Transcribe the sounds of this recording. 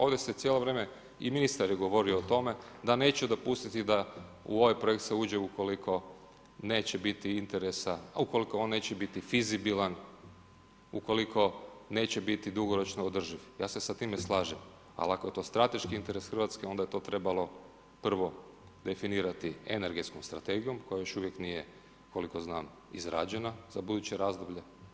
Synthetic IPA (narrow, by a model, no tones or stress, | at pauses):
o̞ːʋd̪e̞se̞t̪sjelo̞ʋɾeme | ḭminist̪aɾiɡo̞ʋo̞ɾioot̪o̞me̞d̪ane̞ːt͡ʃeud̪o̞pust̪it̪id̪a | ṵoʋajpɾojekt̪seuːd͡ʒeuko̞likʰo̞ | ne̞ːt͡ɕebit̪iint̪e̞ɾesauko̞likoonːeːt͡ɕebit̪ifizibilˠan | uko̞likʰo̞ne̞ːt͡ɕe̞bit̪id̪uɡoɾo̞t͡ʃnoːd̪r̩ʒiʋjaːse̞sat̪iːmeslˠaːʒem | a̰lakoje̞t̪o̞ːst̪ɾat̪e̞ʃkiint̪e̞ɾe̞sxr̩ʋat̪skeo̞nd̪aje̞t̪oːt̪ɾe̞balˠo̞ | pr̩ʋo̞ | d̪e̞finiːɾat̪iene̞ɾɡe̞t̪skomst̪ɾat̪e̞ɡijo̞mko̞jajo̞ʃuʋjeknije | ko̞liko̞znaːm | izɾa̰d͡ʒe̞naz̥abud̪ut͡ɕeɾaːzd̪obʎe̞